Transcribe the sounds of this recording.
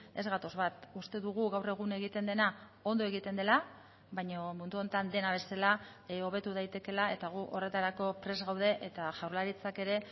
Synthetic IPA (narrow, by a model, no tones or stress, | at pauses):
e̞zɣat̪o̞zβat̪ust̪e̞ðuɣ̞uɣawre̞ɣ̞une̞ɣit̪e̞nd̪e̞na | o̞nd̪o̞e̞ɣit̪e̞nd̪e̞la | βajɲomund̪uo̞nt̪and̪e̞naβ̞e̞sela | o̞β̞e̞t̪uðajt̪e̞ke̞lae̞t̪aɣ̞uʔo̞re̞t̪aɾako̞pɾe̞zɣawð̞e̞ʔet̪aʝawɾlaɾit͡sake̞ɾe̞